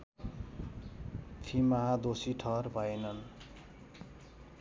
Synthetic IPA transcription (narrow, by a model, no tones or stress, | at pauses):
pʰimaɦad̪osiʈʰʌrbʱʌjnʌn